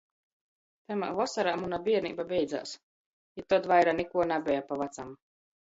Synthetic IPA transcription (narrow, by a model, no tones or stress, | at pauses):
t̪ɛma̰vɔsaɾaːmunabiɛɾniːbabʲɛjd̪za̰ːs | jat̪ːɔt̪vajɾanɛkuɔnabʲɛjapavat̪sam